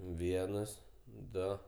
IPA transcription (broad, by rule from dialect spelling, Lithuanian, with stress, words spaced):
ˈʋʲiɛnɐs ˈdoː